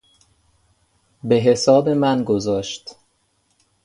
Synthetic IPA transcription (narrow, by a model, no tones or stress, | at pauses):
be̞ɦe̞sɒːbe̞mænɡozɒːʃt̪